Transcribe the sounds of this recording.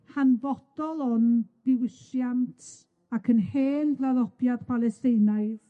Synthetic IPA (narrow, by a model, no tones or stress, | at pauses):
hanvɔd̥ɔlˠɔnb̥ɪwɪsjantʰ | akʰənheːnɡlaðɔbjad̥pʰalˠɛsteɨnaɨð